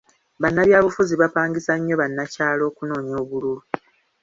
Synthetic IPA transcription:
βanːaβjaːβufuziβapaːŋɡisaɲːo̞βanːacaːlo̞ːkuno̞ːɲo̞ːβululu

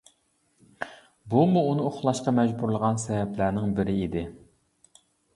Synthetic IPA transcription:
bumuːnɨoχlˠɑʃqɑmɛd͡ʒbuɾlˠəʁɑnsɛvɛplæɾnɪŋbɪɾɪid̪ɪ

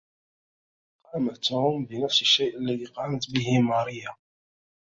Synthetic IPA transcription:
qɑmət̪ːʊʊmbinəfsəʃːejʔlːiliqɑmət̪biɦimɑɾˤija

